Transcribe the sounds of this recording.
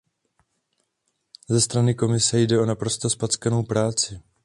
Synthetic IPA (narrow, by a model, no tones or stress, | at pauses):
zɛst̪ɾanɪko̞mɪsɛjdɛo̞napɾo̞st̪o̞spat͡skano̞wpɾaːt͡sɪ